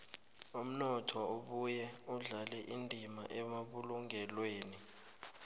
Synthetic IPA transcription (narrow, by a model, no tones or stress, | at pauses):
um̩nɔtʰɔoɓujɛuɮalɛʔindʱimaʔɛmaɓuluŋʱɛlweːni